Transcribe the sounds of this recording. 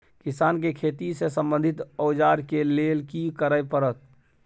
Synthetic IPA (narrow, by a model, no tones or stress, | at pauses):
kɪsaːnkekʰeːt̪isesəmbə̃nd̪ʱɪt̪ɔʊd͡ʒaːɾkelelkikəɾəjpəɾət̪̚